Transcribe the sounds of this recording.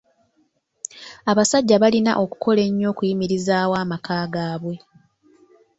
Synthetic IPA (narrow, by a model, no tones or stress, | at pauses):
aβasaɟːaβalina̰ʔo̞ku̥kʰo̞le̞ɲːo̞ːkujimiɾizaːwaːmakaːɡaːβwe̞